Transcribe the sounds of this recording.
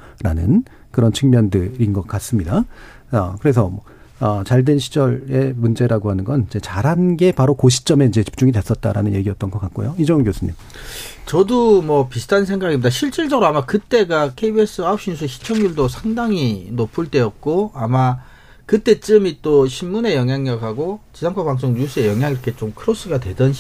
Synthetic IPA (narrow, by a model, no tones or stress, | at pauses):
ɾa̰nɯ̰n | kɯɾʌnt͡ɕʰɯŋmjʌndɯɾinɡʌk̚k͈as͈ɯmɲida | ʌkɯɾe̞s̬ʰʌ | ʌt͡ɕaɭdwe̞nɕʰi̥d͡ʑʌɾe̞mund͡ʑe̞ɾaɡohanɯnɡʌnid͡ʑe̞t͡ɕaɾɦanɡe̞paɾokoɕʰi̥t͡ɕ͈ʌme̞ind͡ʑe̞t͡ɕi̥p̚t͡ɕ͈uŋidwe̞s͈ʌt̚t͈a̰ɾa̰nɯnje̞ɡiʌt͈ʌnɡʌk͈at̚k͈o̰joid͡ʑʌnɡjosʰɯɲim | t͡ɕʌdomwʌpisʰɯ̥tʰannsʰeŋɡaɡimːidaɕʰiɭt͡ɕ͈iɭd͡ʑʌɡɯɾoamakɯt͈e̞ɡakʰeibes͈ɯaop̚ɕ͈ʰiɲus̬͈ʰeɕʰi̥t͡ɕʰʌŋjuɭdosʰaŋdaŋinopʰuɭt͈e̞jʌt̚k͈oama | kɯt͈e̞t͡ɕɯmit͈oɕʰimːune̞jʌŋjaŋʌkʰaɡot͡ɕisʰaŋkʰapaŋs͈ʰoŋɲus͈ʰɯe̞jʌŋɦjaŋiɾʌkʰe̞t͡ɕomkʰɯɾos͈ɯɡadwe̞dʌn